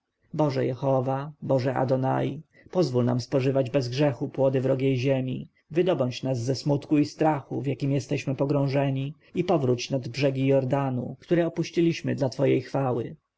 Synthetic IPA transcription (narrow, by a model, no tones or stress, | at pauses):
bɔʐɛjɛxɔvabɔʐɛʔa̰d̪ɔna̰ji | pɔzvulna̰mspɔʐɘvad͡ʑbɛzɡʐɛxupwɔd̪ɘvɾɔɡʲjejʑemʲḭ | vɘd̪ɔbɔɲt͡ɕnazːɛsmut̪kuist̪ɾaxuvjakʲimjɛst̪ɛɕmɘpɔɡɾɔ̃w̃ʐɛɲi | ipɔvɾut͡ɕnad̪bʐɛɡʲijɔɾd̪anukt̪uɾɛɔpuɕt͡ɕilʲiɕmɘd̪lat̪fɔjejxfawɘ̰